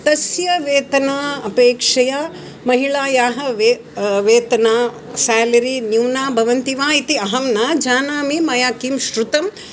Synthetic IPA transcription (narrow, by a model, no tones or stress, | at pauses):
t̪ɐsjɐʋeːt̪ɐnaːɐpeːkʂɐja | mɐɦiɭaːjaːɦɐʋe | ʋeːt̪ɐnaː | saːlɐɾinjuːnaːbʱɐʋɐnt̪iʋaːit̪iɐɦɐmnaːd͡ʒaːnaːmimɐjaːkimʃɾut̪ɐm